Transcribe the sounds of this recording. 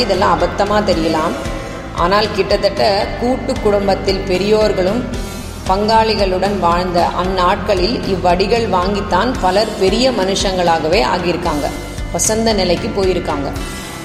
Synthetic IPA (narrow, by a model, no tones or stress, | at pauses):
ɪðɛlːãːɐbɐt̪ːɐmaːt̪ɛɾɪjɐlaːm | ʔa̰ːnaːlkɪʈːɐt̪ːɐʈːɐkuːʈːɯkːʊɽɐmbɐt̪ːɪlpɛɾɪjoːɾɣɐɭɯm | pɐŋɡaːɭɪɣɐɭɯɽɐnʋaːɻnd̪ɐʔɐnːaːʈ̚kɐɭɪlɪʋːɐɽɪɣɐɭʋaːŋɡɪt̪ːaːnpɐlɐɾpɛɾɪjɐmɐnɯʂɐŋɡɐɭaːɣɐʋeːʔa̰ːɣjɪɾɯkːaːŋɡɐ̰ | pɐsɐnd̪ɐnɪlɐɪkːɯpːoːjɪɾɯkːaːŋɡɐ